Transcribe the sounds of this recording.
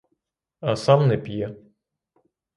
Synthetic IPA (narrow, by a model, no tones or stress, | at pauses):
ɐsɑmnɛpʲjɛ